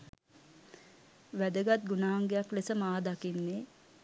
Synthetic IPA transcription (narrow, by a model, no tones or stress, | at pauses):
ʋæd̪əɡat̪̚ɡunaɦaŋɡejaklesəmaːd̪akinːe